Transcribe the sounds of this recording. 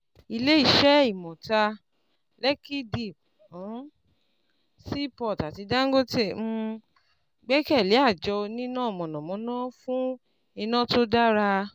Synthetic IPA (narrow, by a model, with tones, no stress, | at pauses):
i˧le˦i˦˨ʃɛ˦i˦˨mɔ̃˨ta˧ | lɛ˦ki˦di˨b | si˦˨pɔ˦˨ta˨ti˧da˦ɡo˦te˦˨m̩˦˧ | ɡ͡bɛ˦kɛ˦˨le˨˦a˦˨d͡ʒɔ˧nĩ˦nã˦˨mɔ̃˨nɔ̃˨mɔ̃˨˦nãː˦fũ˦ | i˧nã˦to˦da˦ɾa˧